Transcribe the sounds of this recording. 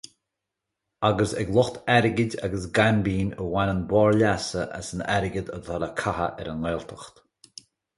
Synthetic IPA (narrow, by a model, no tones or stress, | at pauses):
aɡəsɛ̰ɡlˠʊxt̪ʰɛɾɪɡɪdʲa̰ɡəsɡanbiːnəwanənbɔːɹlasəʔa̰sənɛɾɪɡəd̪ə̰d̪ɔləkʰaɦə̰ʔɛɾənleːlt̪ʰəxt̪